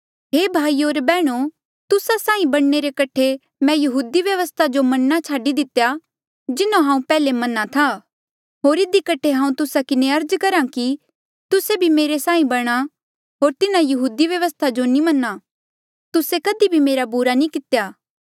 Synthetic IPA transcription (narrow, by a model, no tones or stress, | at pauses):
ɦeːbʱaːioːɾbɛːɽ̃o | t̪ʊsasãːĩbɐɽ̃neɾekɐʈʰe | mɛ̃jɐɦuːd̪iʋjɐʋəst̪ʰad͡ʒomɐnːat͡ʃʰaːɖid̪ɪt̪eja | d͡ʒɪnõɦãːũpɛːlemɐnːat̪ʰa | ɦoːɾɪd̪ikɐʈʰeɦãːũt̪ʊsakɪneɐɾd͡ʒkɐɾãki | t̪ʊsebʱimeːɾesãːĩbɐɽ̃a | ɦoːɾt̪ɪnãjɐɦuːd̪iʋjɐʋəst̪ʰad͡ʒonĩmɐnːa | t̪ʊsekɐd̪ibʱimeːɾabuɾanĩkɪt̪ejaː